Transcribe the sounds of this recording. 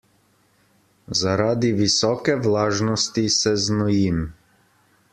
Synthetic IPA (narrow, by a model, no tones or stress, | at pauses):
zaɾaːd̪iʋisɔːkɛʋlaːʒnɔst̪isɛznɔjim